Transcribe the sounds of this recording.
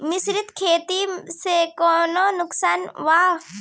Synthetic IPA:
mɪsɾɪt̪kʰeːt̪isekɔːnonʊksaːnʋaː

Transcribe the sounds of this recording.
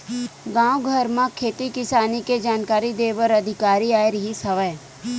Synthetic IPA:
ɡãːũɡʱəɾmãkʰeːt̪ikɪsaːniked͡ʒaːnkaːɾid̪eːʋəɾɐd̪ʱɪkaːɾiaːeɾiɦisəʋə

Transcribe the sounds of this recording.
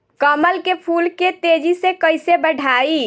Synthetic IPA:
kəməlkepʰulket̪ed͡ʒisẽkəjsebəɖʱai

